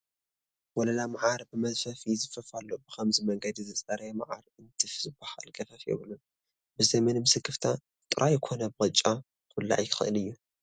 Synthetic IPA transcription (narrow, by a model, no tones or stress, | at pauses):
wɔlɐlamaʕaɾbɨmɐzfɐfizɨfɐfalːobɨxʰɐmzimɐŋɡɐd̪izɨt͡sʼɐɾɐma̰ʕaɾɨnt̪ʰɨfzɨbaha̰lkʼɐfɐfjɛ̰βlu | bɨzɐmɐnmɨsɨɡɨft̪ʰa | t̪ʼɨɾʔajɪkʷʰo̞nɐbɨxʼɨt͡ʃʼːa | kfɨlːa̰ʕjkʰɨ̥xɨʔɨlɨjːu